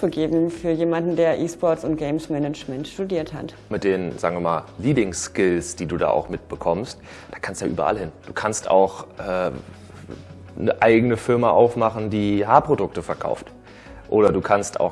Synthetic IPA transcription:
uɡeːbm̩fyːɐjeːmandn̩deːɐʔiːspɔɐtsʊnt̚ɡ̥eɪmsmɛnət͡ʃmɛntʃtudiːɐtha̰t | mɪt̚d̥eːnzaːɡŋviːɐma̰ːlliːbɪŋskɪlsd̥iːduːda̰ːʔa̰ʊxmɪt̚b̥əkʰɔmst | d̥aːkʰanstjaːʔyːbɐ̰ʔa̰lhɪnd̥uːkʰansta̰ʊxʔɛː | nəʔaɪɡənəfɪɐmaʔaʊfmaχn̩diːɦaːpʁ̥odʊk̚təfɛɐkʰa̰ʊft | ʔoːɾɐduːkʰansta̰ʊx

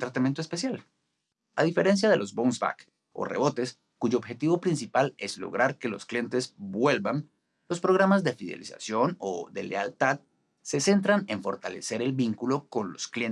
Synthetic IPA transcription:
t̪ɾat̪amjent̪oespe̞sjal | aðife̞ɾe̞ns̬jaðe̞lo̞zbownsba̰k | o̞̰re̞̰βo̞t̪e̞s | kuʝo̞ːbxe̞t̪iβo̞pɾinsipale̞zlo̰ɣɾaɾke̞losklije̞nt̪ezbwe̞lban | lo̞spɾo̞ɣɾamazd̪efiðe̞̰lḭsa̰sjo̞no̰ðe̞̰le̞alt̪að | se̞se̞nt̪ɾaneɱfo̞ɾt̪ale̞se̞ɾe̞lbiŋkulo̞ko̞nlo̞skljen

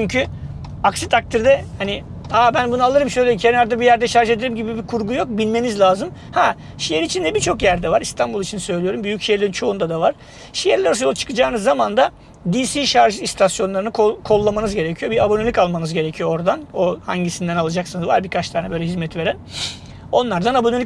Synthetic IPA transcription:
t͡ʃʰyɲcʰy | aksit̪ʰak̚t̪ʰiɾd̪ɛhani | abænbunualˠɯɾɯmʃøjlʲecʰenæɾd̪ɛbijæɾd̪ɛʃaɾʒe̞d̪eɾimɟibibikʰuɾɡujo̞k̚bilʲme̞nizlʲaːzɯm | hɛ | ʃijeɾit͡ʃʰind̪ɛbit͡ʃʰo̞kjæɾd̪ɛvaɾist̪ʰanbulˠit͡ʃʰinsø̞jlʲijo̞ɾumbyjycʃijɛɾlʲeɾint͡ʃʰo̞und̪ad̪avaɾ̥ | ʃijɛɾlʲæɾosjolˠt͡ʃʰɯ̥kʰɯd͡ʒaːnɯzːamand̪a | d̪iːsiːʃaɾʒɯist̪ʰasjo̞nlˠaɾɯnɯkʰokʰo̞lˠːamanɯzɟe̞ɾecʰijo̞biabonelʲikalˠmanɯzɟe̞ɾecʰijoo̞ɾd̪anoha̰ɲɟisind̪ænalˠad͡ʒaksɯnɯzvaɾbikʰat͡ʃt̪ʰaːnɛbø̞jlʲɛɦizmɛt̪ve̞ɾæn | o̞nlˠaɾd̪anabonelʲi

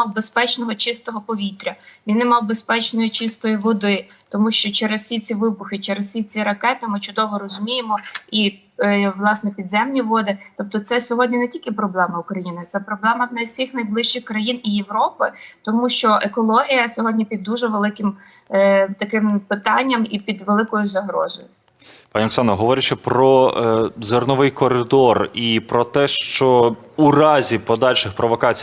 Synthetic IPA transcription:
mɑwbespɛt͡ʃnɔɦɔt͡ʃɪst̪ɔɦɔpɔʋʲit̪ɾʲɐʋʲinɪmɑwbespɛt͡ʃnɔjit͡ʃɪst̪ɔjiʋɔd̪ɪ | t̪ɔmuʃt͡ʃɔt͡ʃɛɾezsʲit͡sʲiʋɪbʊxɪt͡ʃɛɾezsʲit͡sʲiɾɐkɛt̪ɪmɪt͡ʃʊd̪ɔʋɔɾɔzʊmʲijemɔi | ʋlˠɑsnɛpʲid̪zɛmnʲiʋɔd̪ɪt̪ɔp̚t̪ɔt̪sɛsʲɔɦɔdʲnʲinetʲilʲkɪpɾɔblˠɛmɐʊkɾɐjinɪt̪sɛpɾɔblˠɛmɐnɐwsʲixnɐjblˠɪʃt͡ʃɪxkɾɐjinijeʋɾɔpɪt̪ɔmuʃt͡ʃɔʔekɔlˠɔɦʲijɐsʲɔɦɔdʲnʲipʲid̪ːuʒɛʋelˠɪkɪm | t̪ɐkɪmpɪt̪ɑnʲːɐmipʲid̪ʋelˠɪkɔjʊzɐɦɾɔ̰zɔjʊ | pɑnʲiɔksɑnɐɦɔʋɔɾʲɪt͡ʃɪpɾɔ | zernɔʋɪjkɔɾɪd̪ɔripɾɔt̪ɛʃt͡ʃɔuɾɑzʲipɔd̪ɑlʲʃɪxpɾɔʋɔkɑt͡sʲ

